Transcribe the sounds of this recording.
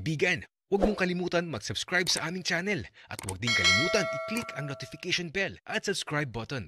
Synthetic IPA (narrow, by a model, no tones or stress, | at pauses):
kbiːɡɐn | wɐɡ̚moŋkɐlɪmuːt̪ɐnmɐɡsɐbskɹajbsɐʔaːmɪŋt͡ʃaːnɛlʔɐ̰t̪wɐ̰ɡ̚d̪ɪŋkɐlɪmuːt̪ɐnʔɪklikʰɐŋnot̪ɪfɪkɛʃonbɛlʔɐt̪̚sɐbskɹajb̚ːot̪on